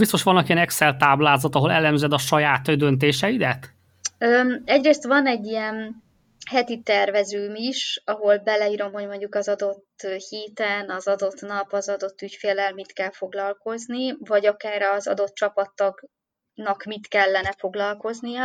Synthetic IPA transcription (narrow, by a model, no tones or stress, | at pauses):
bist̪oʃʋɒnːɒkijɛnɛksɛlt̪aːblaːzɒt̪ɒɦo̞lɛlɛmzɛd̪ɒʃɒjaːt̪d̪ønt̪̬eːʃɛid̪ɛt̪ | øːɛɟreːst̪vɒnɛɟːijɛn | hɛt̪it̪ɛrvɛzyːmiʃɒɦo̞lbɛlɛiːɾo̞mɦo̞ɟmo̞ɲɟukɒzɒd̪o̞t̪ːøhiːt̪ɛnɒzɒd̪o̞t̪nɒpɒzɒd̪o̞t̪ːycfeːlːɛlmit̪kɛlfo̞ɡlɒlko̞znivɒɟɒkaːɾɒzɒ̰d̪o̞t̪̚t͡ʃɒpɒt̪ːɒɡ | nɒkmit̪kɛlːɛnɛfo̞ɡlɒlko̞znijɒ